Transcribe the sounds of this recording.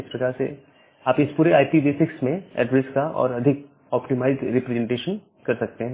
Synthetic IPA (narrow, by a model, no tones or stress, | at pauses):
ɪspɾɐkaːɾsḛ | aːpɪspuːɾeaːipibisɪksmẽɛ̰ːɖɾeskaɔ̰ːɾɐd̪ʱɪk | ɔːpʈimaːɪzɾɪpɾɛzẽɳʈeːʃən | kɐɾsɐk̚t̪eɦɛ̃